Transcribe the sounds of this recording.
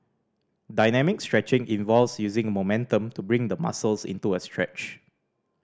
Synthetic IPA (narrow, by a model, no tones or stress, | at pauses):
daɪnɛmɪkstɹɛt͡ʃɪ̃ŋʔĩnvɔlvsjuzɪ̃ŋəmomɛ̃ntə̃mtubɹɪ̃ŋdəma̰səlsɪ̰̃ntuəstʰɹɛ̰t͡ʃ